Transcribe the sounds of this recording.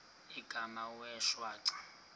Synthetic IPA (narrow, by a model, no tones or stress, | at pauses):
iɡ̥ʱamawɛʃwaːǀḁ